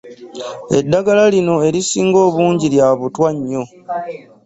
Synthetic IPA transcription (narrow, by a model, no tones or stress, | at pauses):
e̞dːaɡalalino̞e̞ɾisiːŋɡo̞ːβuːɲɟiljaːβutwaɲːo̞